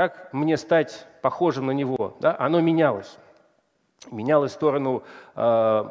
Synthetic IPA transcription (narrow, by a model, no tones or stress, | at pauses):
kakmnʲe̞st̪atʲpɐxo̞ʐɨmnənʲɪvo̞d̪aʔɐno̞mʲɪnʲalˠə̰sʲ | mʲɪnʲalˠəsʲst̪o̞ɾənʊ